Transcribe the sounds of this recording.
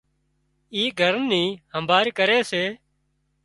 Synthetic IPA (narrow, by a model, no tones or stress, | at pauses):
iːɡʱəɾnːiːhəmbaːɾkəɾeːseː